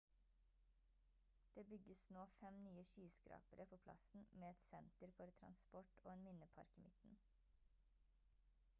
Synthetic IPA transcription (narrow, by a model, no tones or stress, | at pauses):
d̪̥eːbʏɡəsnoːfɛmnyːəʃyːskɾɑ̰ːpəɾəpʰoːpʰlɑ̰sn̩meːɛt̪sɛnt̪əɾfɔɾt̪ʰɾɑ̰nspɔʈo̰ːeːnmɪnəpʰɑ̰ɾkɪmɪt̪n̩